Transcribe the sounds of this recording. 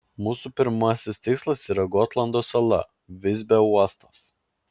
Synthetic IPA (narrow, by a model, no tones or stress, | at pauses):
muːsupʲɪɾmɐsʲɪst̪ʲɪkslˠɐsiːɾɐɡɔt̪lˠɐnd̪oːsɐlˠɐ̰ | ʋʲɪzʲbʲɛuɔst̪ɐs